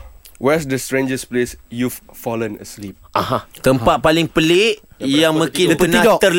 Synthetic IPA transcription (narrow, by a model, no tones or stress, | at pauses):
wɛsdəstɹẽnd͡ʒəsplesjuffɔlə̃nə̰slip̚ʔahãt̪əmpat̪̚palɪŋpəleʔjjaŋmə̃kɪnpənat̪ər